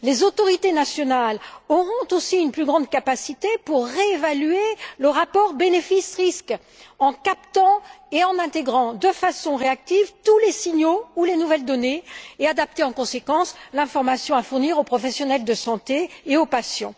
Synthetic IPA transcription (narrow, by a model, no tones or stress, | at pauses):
lezot̪ɔʁit̪enasjɔnalɔʁɔ̃t̪osiynplyɡʁɑ̃d̪kapasit̪epuʁːeːvalyeləʁapɔʁbenefisʁisk | ɑ̃kapt̪ɑ̃eɑ̃nɛ̃t̪eɡʁɑ̃d̪əfasɔ̃ʁeak̚t̪ivt̪ulesiɲoulenuvɛld̪ɔneead̪ap̚t̪eɑ̃kɔ̃sekɑ̃slɛ̃fɔʁmasjɔ̃afuʁniʁopχɔfɛsjɔnɛld̪əsɑ̃t̪eːopasjɑ̰̃